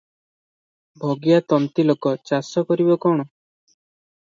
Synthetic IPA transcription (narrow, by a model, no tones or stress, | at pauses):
bʱɔɡijat̪ɔnt̪ilokɔt͡ʃasɔkɔɾibɔkɔɽ̃ɔ